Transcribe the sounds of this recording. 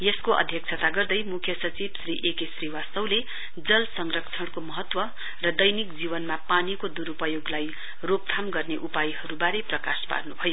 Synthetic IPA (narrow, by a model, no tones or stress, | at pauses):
jʌskoʔʌ̰d̪ʱjʌkt͡sʰʌt̪aɡʌrd̪ʌjmukʰjʌsʌt͡sibsriʔekesriwasʌwle | d͡zʌlsʌŋrʌkt͡sʰʌɽkomʌɦʌt̪wʌ | rʌd̪ʌjnikd͡zibʌnmapanikod̪uɾupʌjoɡlaj | rop̚t̪ʰamɡʌrneʔupajɦʌɾubaɾeprʌka̰spa̰rnubʱʌjo